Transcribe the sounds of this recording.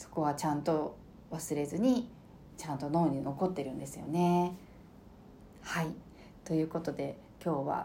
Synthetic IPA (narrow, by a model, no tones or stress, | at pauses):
so̞̥ko̞βat͡ɕãnt̪o̞ | βasɨɾe̞zɨɲ̟i | t͡ɕãnt̪o̞no̞ːɲ̟ino̞ko̞t̪ːe̞ɾɯ̟̃nd̪e̞sɨjo̞̰ne̞ | hai | t̪o̞jɯ̟ːko̞t̪o̞d̪e̞ | kʲo̞ːβa̰